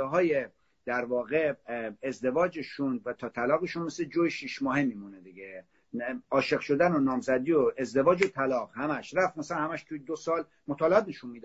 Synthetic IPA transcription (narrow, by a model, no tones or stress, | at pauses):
ɦɒːje | d̪̥æɾvɒːɣeezd̪e̞vɒːd͡ʒeʃunvæt̪ʰɒːt̪ʰælɒːɣeʃunmesled͡ʒoːjeʃiʃmɒːɦemimuned̪iɟe | ɒːʃe̞ɣʃo̞d̪ænonɒːmzæd̪iːoe̞zd̪e̞vɒːd͡ʒot̪ʰælɒːɣhæmæʃɾæft̪mæsænhæmæʃt̪ʰujed̪osɒːl | mot̪ʰɒːleɑːt̪̚neʃunmiːd̪